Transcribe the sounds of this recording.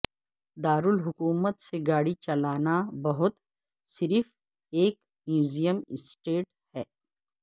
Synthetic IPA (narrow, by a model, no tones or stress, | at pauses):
d̪aːɾʊlɦʊkuːmət̪seɡaːɽit͡ʃɐlaːnabɐɦʊt̪ | sɪɾf | eːk | mjuːzijəmɪsʈeːʈ | hɛː